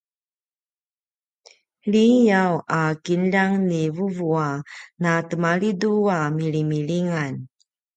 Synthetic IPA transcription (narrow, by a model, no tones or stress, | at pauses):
ɭijawakinlaŋnivuvuanatəmaɭiduamiɭimiɭiŋan